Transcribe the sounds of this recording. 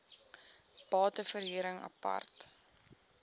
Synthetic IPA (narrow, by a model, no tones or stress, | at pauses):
b̥ɑːtəfərɦiːɾəŋɐ̰pɐ̰rt